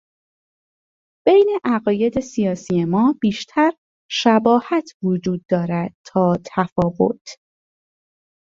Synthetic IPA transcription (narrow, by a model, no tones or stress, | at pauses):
b̥ejne̞ʔæɣɒːje̞d̪e̞sijɒːsijemɒːb̥iːʃt̪ʰæɾ | ʃæbɒːhæt̪ʰvod͡ʒuːd̪̚ːɒːɾæd̪̥̚t̪ʰɒːt̪ʰæfɒːɣo̞̰t̪ʰ